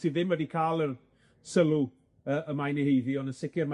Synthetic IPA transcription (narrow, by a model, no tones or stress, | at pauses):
siːððɪmwɛdikʰaːlˠər | səlˠu | əːʔəmajnihejðiɔndənsɪkʰɪrma